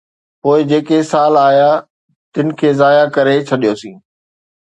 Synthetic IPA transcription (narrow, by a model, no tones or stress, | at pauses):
poːɪd͡ʑeːkesaːlaːɦja | t̪ɪnɪ̆kʰeːzaːjakɐɾet͡ɕʰɐɗijosĩː